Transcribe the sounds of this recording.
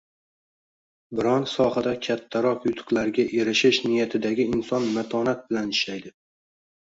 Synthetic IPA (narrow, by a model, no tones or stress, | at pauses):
bɪɾɒnsɒhad̪akʲʰat̪ʰːaɾɒqjʊt̪ʰɨ̥qlˠaɾɡʲaʔe̞ɾɪʃɪʃnɪjat̪ʰɪd̪aɡʲɪɪnsɒnmat̪ʰɒnat̪̚bɪlanɪʃlajd̪ɪ